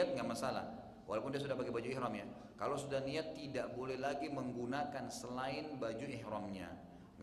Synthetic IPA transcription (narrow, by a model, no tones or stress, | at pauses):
at̪̚ŋɡaʔmasala̰h | wʔa̰lawpʊndias̬udahbaɡibad͡ʒuɛhɾɔmɲa | kalosudahniat̪ːidaʔbolɛhlaɡiməŋɡunakansəlaɪnbad͡ʒuɛhɾɔmɲa̰ | ŋɡ